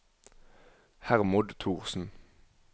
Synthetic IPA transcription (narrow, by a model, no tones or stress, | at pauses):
hæʁmʊd̪t̪ʰuːʁsn̩